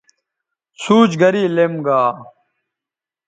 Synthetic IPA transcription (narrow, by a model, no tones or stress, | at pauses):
suːt͡ɕɡɐɾiːlemɡaː